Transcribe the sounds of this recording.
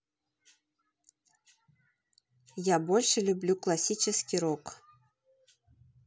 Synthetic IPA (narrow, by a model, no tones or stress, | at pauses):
jabolʲʂəlʲublʲuklˠasʲit͡ɕəskʲiɾok